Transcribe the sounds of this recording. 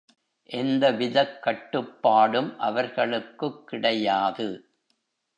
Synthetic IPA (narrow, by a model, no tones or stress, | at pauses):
ʔɛnd̪ɐʋɪðɐkːɐʈːɯpːaːɽɯmʔɐʋɐɾɣɐɭɯkːɯkːɪɽɐjaːðɯ